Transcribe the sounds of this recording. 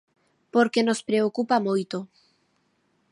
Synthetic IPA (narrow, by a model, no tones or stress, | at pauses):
poɾkenospɾeokupamojt̪o